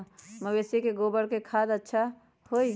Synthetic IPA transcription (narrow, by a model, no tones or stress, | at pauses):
məbeːsekeɡoːbəɽkekʰaːd̪ətːʃʰa | hoːi